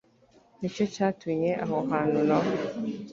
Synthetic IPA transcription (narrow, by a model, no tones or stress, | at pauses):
nit͡ʃet͡ʃatwiɲeʔaɦɔɦanʊnɔ